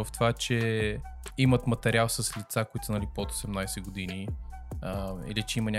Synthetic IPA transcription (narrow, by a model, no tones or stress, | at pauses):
əft̪ovat͡ʃɛ | imət̪mɐt̪ɛɾialˠsəslit̪sakʊit̪ʊsənɐlipot̪o̥sɛmnajsɛɡod̪ini | ḭlit͡ʃɛimənʲa